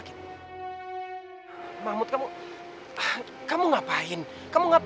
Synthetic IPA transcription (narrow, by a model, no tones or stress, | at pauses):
kit̪ | mamʊt̪̚kamu | kamuŋapaɪn | kamuŋap